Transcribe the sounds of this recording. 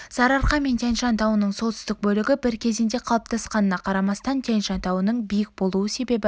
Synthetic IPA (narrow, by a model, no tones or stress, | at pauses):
zɑɾɑɾqɑme̞nt̪ʰenʃɑnt̪ɑwənəɴso̞t̪sʏst̪ɪk̚bɵlɪɡʲɪbɪɾkʲʰe̞zɪnd̪e̞qʰɑlˠəp̚t̪ʰɑsqɑnənɑqʰɑɾɑmɑst̪ɑnt̪ʰenʃɑnt̪ɑwənəɴbijɪk̚bo̞lˠuəse̞be̞bɪ